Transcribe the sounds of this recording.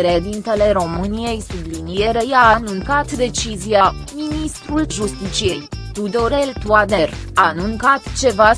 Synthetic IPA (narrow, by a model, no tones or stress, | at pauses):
ɾeed̪int̪e̞le̞ɾo̞mɨnije̞jsublinije̞ɾejaːanuŋkat̪d̪e̞t͡ʃizia | minist̪ɾulʒust̪it͡ʃije̞jt̪ud̪o̞ɾe̞lt̪uad̪e̞ranuŋkat̪t͡ʃe̞va